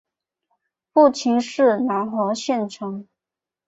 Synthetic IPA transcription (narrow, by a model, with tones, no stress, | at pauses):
fu˥˩t͡ɕʰi˧˥ŋʂɻ̩˥˩na˧˥nxwɔ˧˥ɕjɛ˥˩nʈ͡ʂʰɤ˧˥ŋ